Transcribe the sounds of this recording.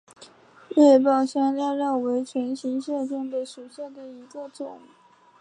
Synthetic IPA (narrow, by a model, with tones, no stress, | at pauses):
lɛ˥˧pɑ˥˩ʊɕjɑ˥ŋljɑ˥˧ɻɑ˥˩ʊwe˧˥ɪt͡ɕʰɥɛ˧˥nɕi˧˥ŋɕɛ˥˧ʈ͡ʂʊ˥˩ŋd̪ə˩ʂu˨˩ɕja˥˩d̪ə˩i˧˥ɡə˧ʈ͡ʂʊ˨˩˦ŋ